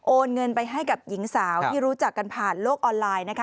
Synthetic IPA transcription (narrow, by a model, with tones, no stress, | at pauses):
ʔoː˧nŋɤ˧npa˧jɦa˥˩jka˨˩p̚ji˩˦ŋsaː˩˦w̪ʰiː˥˩ɾuː˦˥t͡ɕa˨˩kːa˧npʰaː˨˩nloː˥˩k̚ʔɔː˧nlaː˧jna˦˥kʰa˦˥